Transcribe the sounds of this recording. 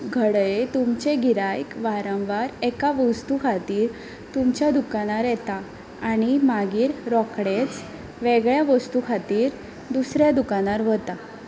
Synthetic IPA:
ɡʱəɽjet̪umt͡ɕeɡʱiɾajkʋaɾə̃wʋaɾɛkaʋəst̪ukʰat̪iːɾ | t̪umt͡ɕjad̪ukanaɾjɛt̪aː | nimaɡiːɾɾɔkɽet͡s | ʋeɡɭjaʋəst̪ukʰat̪iːɾ | d̪usɾjad̪ukanaɾʋət̪a

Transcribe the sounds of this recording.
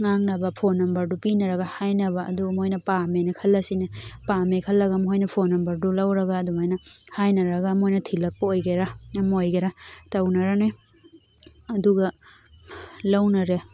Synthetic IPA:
ŋaŋnɐbɐpʰonːɐmbɐɾdupinɐɾɐɡahajnɐβa̰ːduɡmojnɐpamenikʰɐlːɐsinepamekʰɐlːɐɡamhojnɐpʰonːɐmbɐɾdulɐwɾɐɡaːdumajnɐhajnɐɾɐɡamojnɐtʰilɐk̚pɐojɡeɾamojɡeɾatɐwnɐɾane | duɡɐ | lawnɐɾe

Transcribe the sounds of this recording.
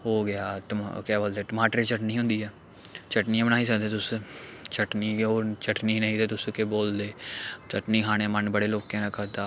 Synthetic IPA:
ɦoːɡɪjaːtkɛːboːld̪eːʈəmaːʈəɾit͡ʃəʈniːɦʊ̃nd̪iːɦɛː | t͡ʃʰəʈniːãbəɽ̃aːiːs̬əkd̪eːt̪ʊst͡ʃʰəʈniːkːoːt͡ʃəʈniːnəĩːt̪eːt̪ʊskeboːld̪eːt͡ʃəʈniːɦaːɽ̃ẽːmənbəɽeːloːkẽːnakəɾd̪aː

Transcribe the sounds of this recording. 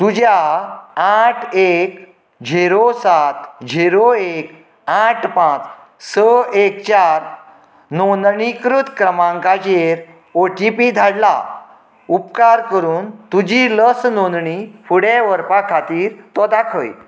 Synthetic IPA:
t̪ud͡ʑjaaʈʰek | d͡ʑʱeɾosat̪d͡ʑʱeɾoek | aʈʰpãt͡s | səekt͡ɕaɾ | nonɳikɾut̪kɾəmãŋkad͡ʑeɾ | oʈipid̪ʱaɽla̰ | upkaɾkəɾuːnt̪ud͡ʑiləsnond̪ɳifuɽeʋəɾpakʰːat̪iːɾt̪ɔd̪akʰə̰j

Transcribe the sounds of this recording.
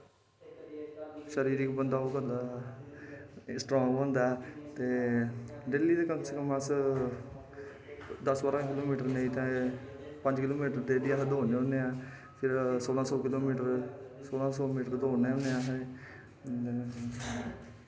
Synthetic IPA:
ʃəɾiːɾiːkbənd̪aːoːkəd̪aː | sʈɾɔːŋɡbə̃nd̪aːt̪eː | ɖeːliːd̪eːkəŋsəkəmãs | d̪əsʋaːɾãkɪloːmiːʈəɾneit̪ɛ̃ː | pə̃ɲd͡ʒkɪloːmiːʈəɾd̪eːd̪iːasəd̪oːneːɦõneːãː | pʰɪɾsoːlãːsɔːkɪloːmiːʈəɾsoːlãːsɔːmiːʈəɾd̪oːneõneːãːɦ

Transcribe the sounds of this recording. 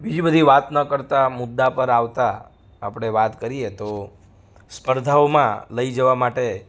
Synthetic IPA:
bid͡ʒibəd̪ʱiʋat̪nəkəɾt̪amʊd̪ːapəɾaʋt̪aː | pɽ̃eʋat̪kəɾiet̪o | spəɾd̪ʱaomã̰ləid͡ʒəʋamaʈe

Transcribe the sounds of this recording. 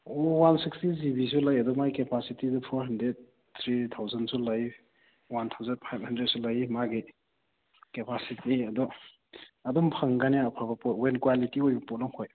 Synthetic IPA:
ɔwansikstizibis̬ulajɐdɔmajkepasitidupʰɔɾɦɐndɾed̚ | t̪ʰɾit̪ʰawzansulaj | want̪ʰawzad̚pʰajb̚handɾed̚sulajmaɡi | kepʰasitiɐdɔ | ɐdɔmpʰaŋɡanijapʰaɾbɐpɔtwenkwalitiojbɐpɔt̚naŋhoj

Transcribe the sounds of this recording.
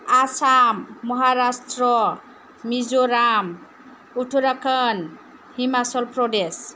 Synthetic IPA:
asamːɔɦaɾastɾɔ | mizoɾam | utʰuɾakʰan | himasɔlpɹɔdes

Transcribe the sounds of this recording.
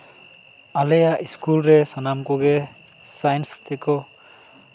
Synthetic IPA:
alejaʔiskulɾɛsɔnamkɔɡɛ | sajnst̪ʰɛkɔ

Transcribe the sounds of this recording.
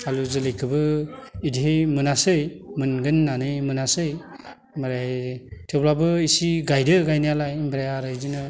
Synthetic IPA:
aluzɯlɯjkʰɯbɯidiɦemɯnasɯj | mɯnɡɯnːanɯjmɯnasɯj | mɯɾajtʰeblabɯisiɡajdɯɡajnijalajbɾajaɾɯjzinɯ

